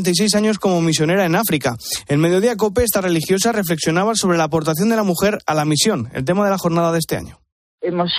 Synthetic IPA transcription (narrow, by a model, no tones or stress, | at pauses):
nt̪ajs̬e̞jsaɲo̞sko̞mo̞misjo̞ne̞ɾae̞nafɾikaelme̞ð̞jo̞ðiak̬o̞pe̞est̪are̞lixjo̞sare̞fle̞ksjo̞naβ̞asoβɾe̞laːpo̞ɾt̪aθjo̞nd̪e̞lamuxe̞ɾalamisjo̞nḛlt̪̬e̞maðe̞laxo̞ɾnaðaðe̞st̪e̞a̰ɲo̞ | emos